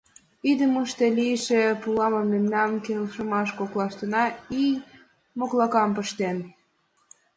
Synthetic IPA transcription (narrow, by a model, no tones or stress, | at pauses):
id̪əməʃt̪eliəʃepulɑməmːemnɑmkelʃəmɑʃkoklɑʃt̪ənɑij | moklɑkɑmpəʃt̪en